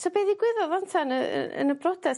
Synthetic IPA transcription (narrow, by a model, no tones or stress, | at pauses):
sɔbeðiɡwɪðɔðɔntʰanə̰ə̰nəbrɔdɛ